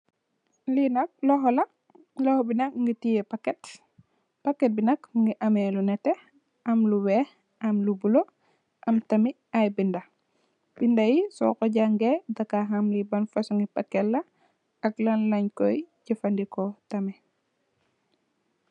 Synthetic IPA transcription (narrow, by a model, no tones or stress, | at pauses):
linɐk̚lɔɦɔlɐ | lɔhɔbinɐk̚ŋɡitijɛpakːɛt | pɐkːɛt̚binɐkŋɡiʔɐmɛlunɛtɛ | ʔɐmluwɛːh | ʔɐmlubulo | ʔɐmtɐmi | ajbindɐ | bindɐjisɔ̰kɔɟaŋɡɛdakaɦamlibɐnfɐsuŋɡipakːɛlːɐ | ɐklanlɐɲkɔjɟɐfandikɔtɐmɛ